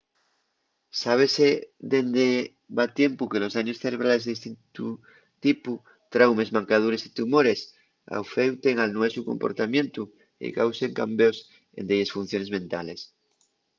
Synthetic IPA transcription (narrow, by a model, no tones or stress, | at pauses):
saβ̞e̞seðend̪e | βat̪je̞mpukelo̞saɲosθeɾe̞β̞ɾale̞zðest̪int̪u | t̪ipu | t̪ɾawme̞zmãŋkað̞uɾe̞sit̪umo̞ɾe̞s | a̰wfewt̪eŋalnwesuko̞mpo̞̰ɾt̪amjẽ̞nt̪u | ḛkawseŋka̰mbeos | ḛnd̪ejesfun̟θjo̞nemẽnt̪ales